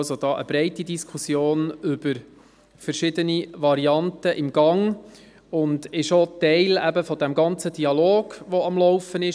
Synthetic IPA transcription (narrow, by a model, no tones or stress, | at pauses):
sod̥̪ɑːʔəb̥ɾɛɪtidiskʰusjoːnʏb̥əɾ | fəɾʃɪdəniʋɑɾiɑntəʔɪmɡɑŋ | ʊndɪʃotɛɪlæbəfɔdɛmɡɑnt͡sədiɑloːɡ̥ʋɔɑmlɔʊfənɪʃ